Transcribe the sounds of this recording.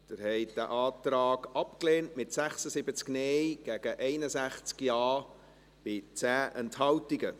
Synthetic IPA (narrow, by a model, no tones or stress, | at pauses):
d̥ɪɾhɛɪtd̥æʔɑːtrɑːɡɑpkleːntmɪtsæχsəsɪbət͡sknejɡ̥æːɡ̥əʔɛɪnəsæχt͡skjɑː | b̥ɪt͡sæːʔɛnthɑwtiɡə